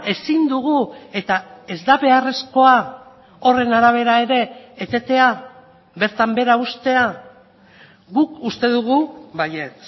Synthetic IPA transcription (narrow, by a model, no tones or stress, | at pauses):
e̞sind̪uɣue̞t̪ae̞zd̪aβe̞are̞sko̞a | o̞re̞naɾaβ̞e̞ɾae̞ɾe̞ːt̪e̞t̪e̞a | βe̞ɾt̪ambe̞ɾaust̪e̞a | ɣukust̪e̞ðuɣ̞uβaje̞t͡s